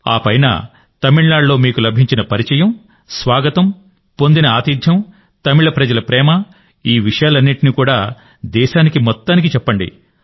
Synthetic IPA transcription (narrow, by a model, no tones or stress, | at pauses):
a̰ːpɐjnɐ̰ | t̪ɐmiɭlaːɭːo̞ːmiːkulɐbʱiɲt͡ʃinɐpɐɾit͡ʃɐjɐm | sʋaːɡɐt̪ɐm | pond̪inɐaːt̪iːd̪ʱjɐm | t̪ɐmiɭɐpɾɐd͡ʒɐlɐpɾɛːmɐ | iːʋiʂɐjaːlɐnːiʈiniːkuːɽaː | d̪ɛːʃaːnikimɔt̪ːaːnik̬it͡ʃɛpːɐɳɖḭ